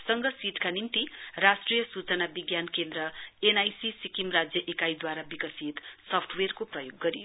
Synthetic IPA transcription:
sʌŋɡʌsiʈkanimt̪irasʈrijʌsut͡sʌnabiɡjankend̪ɾʌenajsisikimrad͡zjʌʔekajd̪waɾabikʌsit̪sʌpʰʈʰwerkoprʌjoɡːʌɾijo

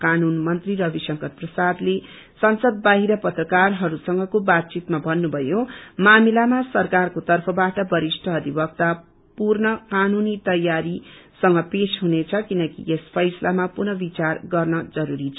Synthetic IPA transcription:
kanunmʌnt̪riɾʌbisʌŋkʌt̪̚prʌsad̪le | sʌnsʌd̪̚baɦiɾʌpʌt̪rʌkarɦʌɾusʌŋɡʌkobat̪̚t͡sit̪mabʱʌnːubʱʌjomamilamasʌrkarkot̪ʌrpʰʌbaʈʌbʌɾisʈʰʌːd̪ʱibʌkt̪a | purnʌkanunit̪ʌjːaɾisʌŋɡʌpesɦunet͡sʰʌkinʌkḭʔespʰʌjsʌlamapurnʌbit͡sarɡʌrnʌd͡zʌɾuɾit͡sʰʌ

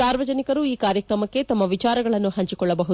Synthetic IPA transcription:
saːɾʋɐd͡ʒɐnikɐɾuiːkaːɾjɐkɾɐmɐkːet̪ɐmːɐʋit͡ʃaːɾɐɡɐɭɐnːuhɐɲt͡ʃikɔɭːɐbɐɦu

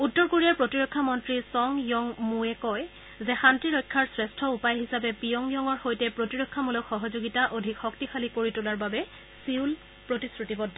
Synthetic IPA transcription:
utːɔɹkoɹijaɹpɹotiɹɔkʰːamɔntɹisɔŋjɔŋmuɛkɔj | zɛxantɹiɹɔjkʰːaɹsɹɛstʰɔupajɦisapɛpijɔŋjɔŋɔɹxojtɛpɹotiɹɔkʰːamulɔkxɔɦɔzoɡitaʔodʱikxɔk̚tixalikoɹitʊlaɹbabɛ | siwl | pɹotisɹutibɔdʱːɔ

